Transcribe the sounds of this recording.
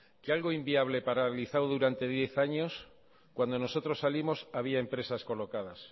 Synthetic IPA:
kealɣo̞imbiaβ̞le̞paɾaliθawðuɾant̪e̞ðje̞θaɲo̞s | kwand̪o̞no̞so̞t̪ɾo̞sːalimo̞saβ̞iaempɾe̞sasko̞lo̞kað̞as

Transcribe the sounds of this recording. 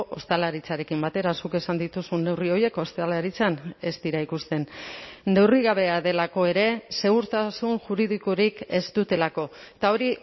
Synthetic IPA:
ʔost̪alaɾit͡saɾe̞kimbat̪e̞ɾasuke̞sand̪it̪usunːe̞wrio̞je̞ko̞st̪alaɾit͡sane̞st̪iɾaikust̪e̞nː | e̞wriɣaβ̞e̞aðe̞lako̞e̞ɾe̞se̞ɣ̞uɾt̪asunʝuɾiðikoɾike̞zt̪ut̪e̞lako̞ | t̪ao̞ɾi

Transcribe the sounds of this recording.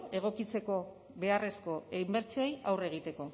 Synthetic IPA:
e̞ɣ̞o̞kit͡se̞ko̞ | βe̞are̞sko̞imbe̞ɾt͡siojawre̞ɣ̞it̪e̞ko̞

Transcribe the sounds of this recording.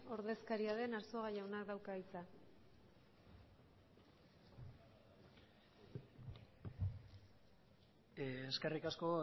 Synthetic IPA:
o̞ɾðe̞skaɾiaðe̞naɾso̞ɣajawnakd̪awkait͡sa | eske̞rikasko̞

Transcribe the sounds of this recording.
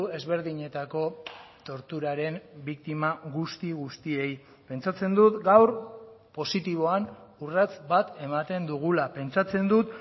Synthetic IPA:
ue̞zβe̞ɾðiɲe̞t̪ako̞t̪o̞ɾt̪uɾaɾe̞mbik̚t̪imaɣust̪iɣust̪ie̞j | pe̞nt͡sat͡se̞nd̪ut̪ɡawɾpo̞sit̪iβ̞o̞anurat͡sbat̪e̞mat̪e̞nd̪uɣ̞ulape̞nt͡sat͡se̞nd̪ut̪

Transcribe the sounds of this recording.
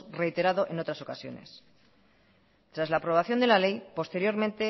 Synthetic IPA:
re̞jt̪e̞ɾaðoʔe̞no̞t̪ɾaso̞kasjo̞̰ne̞̰s | t̪ɾazlaːpɾo̞β̞aθjo̞nd̪e̞lale̞jpo̞st̪e̞ɾjo̞ɾmẽ̞nt̪e̞

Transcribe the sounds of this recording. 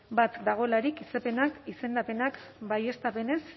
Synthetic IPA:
bat̪d̪aɣ̞o̞laɾikisepe̞nakise̞nd̪ape̞nakbaje̞st̪ape̞ne̞s

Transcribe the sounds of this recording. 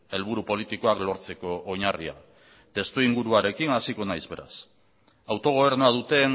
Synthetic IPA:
e̞lβuɾupo̞lit̪iko̞aklo̞ɾt͡se̞ko̞ʔːɲaria̰ | t̪e̞st̪uiŋɡuɾuaɾe̞kinasiko̞najzβe̞̰ɾa̰s | awt̪o̞ɣ̞o̞β̞e̞ɾnoað̞ut̪e̞n

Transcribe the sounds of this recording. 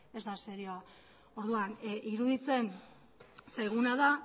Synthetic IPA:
e̞zd̪aseɾioa | o̞ɾðuanʔiɾuðit͡se̞n | sajɣunaða

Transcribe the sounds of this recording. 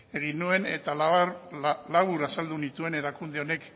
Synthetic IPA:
e̞ɣ̞inue̞ne̞̰t̪al | laβuɾasald̪unit̪ue̞ne̞ɾakund̪e̞one̞k

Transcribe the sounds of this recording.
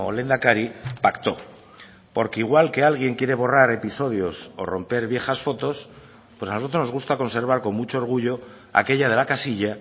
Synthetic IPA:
ole̞nd̪akaɾipakt̪o̞ | po̞ɾkeiɣ̞walke̞alɣ̞je̞ŋkje̞ɾe̞βo̞raɾe̞piso̞ð̞jo̞so̞̰ro̞mpe̞ɾβje̞xasfo̞t̪o̞s | pwesanosot̪ono̞zɣust̪ako̞nseɾβ̞aɾko̞ŋmut͡ʃo̞oɾɣ̞uʎo̞ | a̰ke̞ʎað̞e̞lakasiʎa

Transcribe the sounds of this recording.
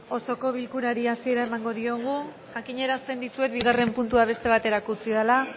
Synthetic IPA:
o̞so̞ko̞βilkuɾaɾiasie̞ɾaemaŋɡo̞ðio̞ɣ̞u | ʝakiɲe̞ɾast̪e̞nd̪isue̞t̪biɣare̞mpunt̪uaβ̞e̞st̪e̞β̞at̪e̞ɾakut͡siðala

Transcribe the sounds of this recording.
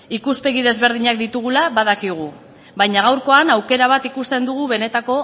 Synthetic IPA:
ikuspe̞ɣiðe̞zβe̞ɾð̞iɲak̚d̪it̪uɣulaβaðakiɣ̞u | βajɲaɣ̞awɾko̞anawke̞ɾaβ̞at̪ikust̪e̞nd̪uɣ̞uβe̞ne̞t̪ako̞

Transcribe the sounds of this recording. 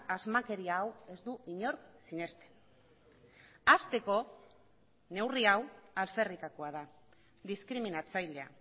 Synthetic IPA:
azmake̞ɾiaːwe̞zd̪uʔiɲo̞ɾksine̞st̪e̥ | ast̪e̞ko̞ | ne̞wriawalfe̞rikakoað̞a | ðiskɾiminat͡sajle̞a̰

